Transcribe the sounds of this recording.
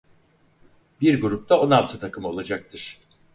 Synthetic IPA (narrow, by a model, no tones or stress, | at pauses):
biɾɡuɾup̚t̪ʰao̞nalˠt̪ʰɯt̪ʰakʰɯmo̞lˠad͡ʒak̚t̪ʰɯɾ̥